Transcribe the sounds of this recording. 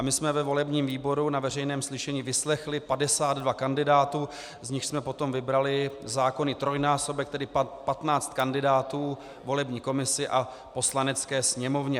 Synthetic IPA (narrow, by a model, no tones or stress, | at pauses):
ʔamɪsmɛvɛvo̞lɛbɲiːmviːbo̞ɾunavɛr̝ɛjnɛːmslɪʃɛɲiːvɪslɛxlɪpadɛsaːd̪dvakandɪdaːt̪uː | zɲɪxsmɛpo̞t̪o̞mvɪbɾalɪzaːko̞nɪt̪ɾo̞jnaːso̞bɛk̚t̪ɛdɪppat̪naːt͡st̪̚kandɪdaːt̪uː | vo̞lɛbɲiːko̞mɪsɪʔa | po̞slanɛt͡skɛːsɲɛmo̞vɲɛ